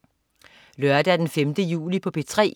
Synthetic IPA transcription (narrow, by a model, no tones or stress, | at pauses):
lɶɐd̥æd̥enfemd̥əjṵːlipʰɒ̽pʰe̝t͡sʰʁɛ̰ː